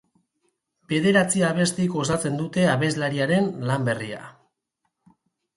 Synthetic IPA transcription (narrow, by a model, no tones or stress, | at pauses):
be̞ð̞e̞ɾat͡siaβ̞e̞st̪iko̞sat͡se̞nd̪ut̪e̞aβe̞zlaɾiaɾe̞nlambe̞ria̰